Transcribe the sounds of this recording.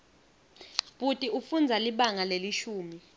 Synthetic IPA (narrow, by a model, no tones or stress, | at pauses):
ɓutʼiufund͡zʱaliɓaŋaleliʃuːmi